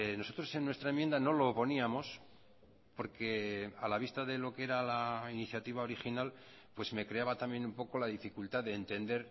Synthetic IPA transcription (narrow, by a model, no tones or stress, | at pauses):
no̞so̞t̪ɾo̞se̞nːwe̞st̪ɾaemje̞nd̪ano̞lo̞po̞niamo̞s | po̞ɾke̞alaβ̞ist̪aðe̞lo̞kee̞ɾalainiθjat̪iβ̞ao̞ɾixinal | pwe̞zme̞kɾe̞aβat̪ambje̞numpo̞ko̞laðifikult̪aðeːnt̪e̞nd̪e̞ɾ